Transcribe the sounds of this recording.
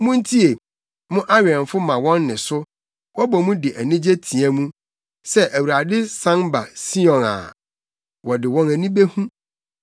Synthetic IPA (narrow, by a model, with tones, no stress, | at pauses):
mʊ̃˦n̩˦tʰi˦e˨ | mʊ̃˦ʔa˦ɥɛ̃˨ɱ˨fʊ˦mã˨wɔ̃˦nːɪ̃˨sʊ˦ | wɔ˦bɔ˨mũ˦dɪ˨ʔæ˨nĩ˦d͡ʑe˦tʰĩ˨æ˦mũ˦ | sɛ˦ʔæ˨wu˨ɾa˨dɪ˦sã˦nba˨si˦ɔ̃˨na̰˨ | wɔ˨dɪ˨wɔ̃˦næ˨nĩ˦be˦hũ˦